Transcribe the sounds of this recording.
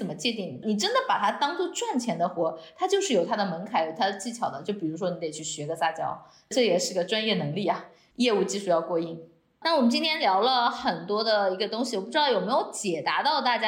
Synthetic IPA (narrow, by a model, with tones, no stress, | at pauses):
ə˨˩mə˦t͡ɕjɛ˥˧t̪i˥˩ŋni˨˩ʈ͡ʂə˥nd̪ə˨pa˨˩t̪ʰa˥t̪ɑ˥ŋt͡swɔ˥˧ʈ͡ʂwa˥˩nt͡ɕʰjɛ˧˥nd̪ə˧xwɔ˧˥t̪ʰa˥t͡ɕjo˥˧ʊʂɻ̩˥˩jo˨˩ʊt̪ʰa˥d̪ə˨mə˧˥nkʰa˧˥ɪjo˨˩ʊt̪ʰa˥d̪ə˨t͡ɕi˥˩t͡ɕʰjɑ˨˩ʊd̪ə˦t͡ɕjo˥˩pi˨˩ɻu˧˥ʂwɔ˥ni˧˥e˨˩ɪt͡ɕʰy˥˩ɕɥɛ˧˥ɡə˧sa˥˩t͡ɕjɑ̰˥ʊ | ʈ͡ʂɤ˥˩jɛ˨˩ʂɻ̩˥˩i˧˥ɡə˧ʈ͡ʂwa˥njɛ˥˩nɤ˧˥ŋli˥˩ɐ˨˩ | jɛ˥˧u˥˧t͡ɕi˥˧ʂu˥jɑ˥˧ʊkwɔ˥˧i˥˩ŋ | na˥˩wɔ˨˩mə˦nt͡ɕi˥nt̪ʰjɛ˥nljɑ˧˥ʊlə˧xə˨˩nt̪wɔ˥d̪ə˨i˧˥ɡə˧t̪ʊ˥ŋɕi˨wɔ˨˩pu˥˩ʈ͡ʂɻ̩˥ɑ˥˩jo˨˩ʊme˧˥ɪjo˧˥ʊt͡ɕjɛ˨˩t̪a˧˥t̪ɑ˥˧ʊt̪a˥˩t͡ɕja˥